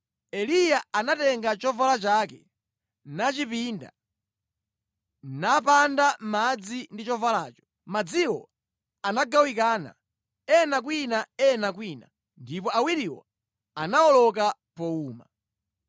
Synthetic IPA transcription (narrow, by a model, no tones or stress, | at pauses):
ɛlijaanatɛŋɡat͡ʃɔvalat͡ʃakɛ | nat͡ʃipinda̰ | napandam̩mad͡zindit͡ʃɔvalaːt͡ʃɔ̥ | mad͡ziwɔ̰ | anaɡawik̬aːna̰ | ɛnak̬winaɛnak̬wina̰ | ndipɔawiɾiwɔ̰ | anaɔlɔka | pɔuːma